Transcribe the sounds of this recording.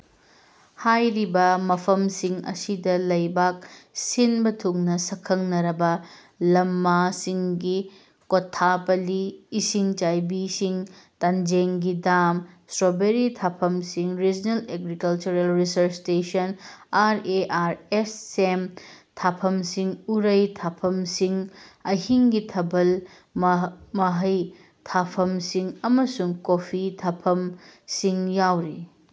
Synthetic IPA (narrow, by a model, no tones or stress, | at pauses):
hajɾibɐmɐpʰɐmsiŋɐ̰sidɐlɐjbak̚sinbɐtʰuŋnɐsɐkʰɐŋnɐɾɐbɐ | lɐmːasiŋɡi | kotʰːapɐliːsiŋt͡ʃajbisiŋtand͡ʒeŋɡidamsɾobeɾitʰapʰɐmsiŋɾid͡ʒneleɡɾikɐlt͡ʃuɾelɾisɐɾstesɐnaɾeʔaɾesːemtʰapʰɐmsiŋuɾɐjtʰapʰɐmsiŋɐɦiŋɡitʰɐbɐl | mmɐɦɐj | tʰapʰɐmsiŋɐmɐsuŋkopʰitʰapʰɐmsiŋjawɾi